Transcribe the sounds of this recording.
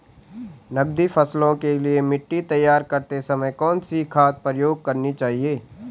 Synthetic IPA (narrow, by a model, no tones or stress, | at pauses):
nɐɡd̪ifʰɐslõkeliemɪʈːit̪ɐjːaːɾkɐɾt̪esɐməjkɔːnsikʰaːt̪̚pɾəjoːɡ̚kɐɾnit͡ʃaːɦieː